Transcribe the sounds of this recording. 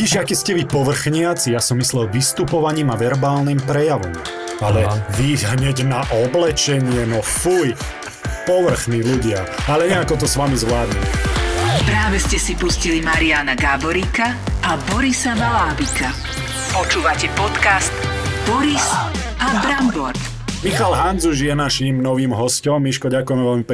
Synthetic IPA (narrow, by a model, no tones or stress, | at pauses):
ɟiʒakiːscɛʋipɔʋr̩xɲɪat͡sijasɔmːislɛlʋist̪upɔʋaɲiːmaʋɛɾbaːlnimpɾɛjaʋɔ̰m | alɛʋiɦɦɲɛɟnaʔɔblɛt͡ʃɛɲɪɛnɔfuj | pɔʋr̩xniluɟɪaalɛɲɛakɔt̪ɔsʋamizʋlaːd̪ɲḭm | pɾaːʋɛscɛsipuscilimaɾianaɡabɔɾiːka | ʔabɔɾisaʋalaːbikʰa | pɔt͡ʃuːʋacɛpɔt̪kast̪b̥ɔɾis | abɾambɔɾt̪ | mixalɦand͡zuʒjɛnaʃimnɔʋiːmɦɔscɔmːiʃkɔɟakujɛmɛʋɛlmip